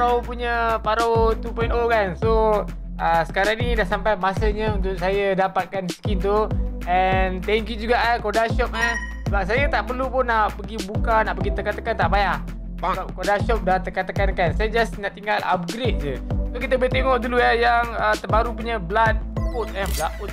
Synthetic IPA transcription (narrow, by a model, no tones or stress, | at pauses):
awpuɲəpaɾawt̪upɔjnokanso | əsə̥kaɾaŋnidahsampajmasəɲəunt̪ʊʔsajədapat̪̚kansə̥kit̪o | ɛnt̪ɛŋkjud͡ʒuɡaʔakodaʃɔp̚a | səbap̚s̬ajət̪aʔpərlupʊnːaʔpəɡibukanaʔpəɡit̪əkat̪akant̪aʔbajaʔ | baŋap̚kodaʃɔp̚dat̪ərkat̪akankansajad͡ʒasnaʔt̪iŋala̰p̚ɡɾet̪̚d͡ʒəsokit̪əbəit̪eŋɔʔduluajaŋət̪əbaɾupuɲablat̪̚ut̪̚ɛnblaʔut̪̚